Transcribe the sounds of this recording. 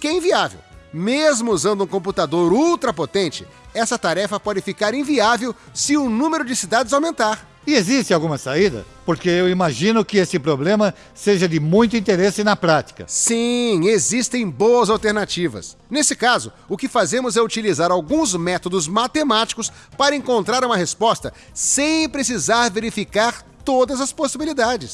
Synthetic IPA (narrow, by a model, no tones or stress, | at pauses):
kɛẽviavḛwmezmʊuzɐ̃nd̪ʊũkõp̬ut̪ad̪oɾult̪ɾɐpot̪ẽnt͡ʃɪ | ɛsɐt̪aɾɛfɐpɔd͡ʒɪfikaɾẽviavew | sɪʊnũmeɾʊd͡ʒɪsid̪ad͡ʒɪzawmẽnt̪aɾ | ɪezist̪ɪawɡũmɐsaid̪ɐ̰ | poɾkeewimaʒĩnʊkɪesɪpɾoblẽmɐ | seʒɐd̪ɪmũj̃t̪ʊĩnt̪eɾesɪnɐpɾat͡ʃi̥kɐ̰sĩezist̪ẽj̃boɐzawt̪eɾnat͡ʃivɐ̰snesɪkazʊ | ʊkɪfazẽmʊzɛut͡ʃilizaɾawɡũzmɛt̪od̪ʊzmat̪emat͡ʃi̥kʊs | paɾɐẽŋkõnt̪ɾaɾũmɐhespɔst̪ɐ | sẽj̃pɾes̬izaɾveɾifikaɾt̪od̪ɐzɐsposibilid̪ad͡ʒɪs